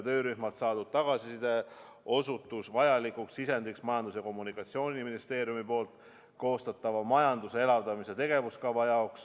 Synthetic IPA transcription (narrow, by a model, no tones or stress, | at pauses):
t̪ø̞ːɾyhmɑlt̪sɑːd̪ud̥̪̚t̪ɑɡ̥ɑsisid̪̥e | o̞sut̪ːˑusvɑjɑlikuksisend̪iksmɑjɑnd̪us̬jɑko̞mːunikːˑɑt̪sio̞ːnʲiminist̪e̞ːɾjumipo̞ːlt̪ˑ | ko̞ːst̪ɑt̪ːˑɑvɑmɑjɑnd̪usee̞lɑvd̪̥ɑmise̞t̪e̞ɡ̥e̞vuskɑvɑjɑoks